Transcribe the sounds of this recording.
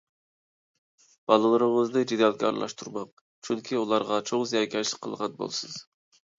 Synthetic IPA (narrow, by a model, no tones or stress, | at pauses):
b̥ɑlˠɨlˠɨɾɨŋəzd̪ɨd͡ʒed̪jɑlˠkʲɑ̰ɾɨ̰lˠɑ̰ʃt̪ʰuɾmɑq̚ | t͡ʃʰyŋkʲʰiulˠɑɾʁɑt͡ʃʰoŋzjɑkʲʰɑlɪqʰə̰lˠʁɑnbo̰lˠsɨz̥